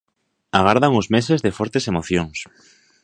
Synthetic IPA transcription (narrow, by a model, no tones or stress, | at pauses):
aɣ̞aɾðaŋozmesezðefoɾt̪esemoθjoŋs